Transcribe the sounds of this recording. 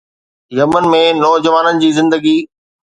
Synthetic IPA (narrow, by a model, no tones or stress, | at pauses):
jɐmənɪ̆mẽnɔːd͡ʑɐʋaːnənɪ̆d͡ʑiːzɪ̃nd̪əɡiː